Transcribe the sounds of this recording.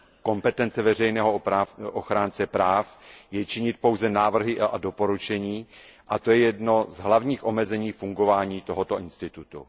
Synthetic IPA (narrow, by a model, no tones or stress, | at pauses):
ko̞mpɛt̪ɛnt͡sɛvɛr̝ɛjnɛːɦoʔoxɾaːnt͡sɛpɾaːfjɛt͡ʃɪɲɪt̪̚po̞wzɛnaːvr̩ɦɪado̞po̞ɾut͡ʃɛɲiːʔat̪o̞jɛjɛdno̞zɦlavɲiːxʔo̞mɛzɛɲiːfuŋɡo̞vaːɲiːt̪o̞ɦo̞t̪o̞ʔɪnst̪ɪt̪ut̪ṵ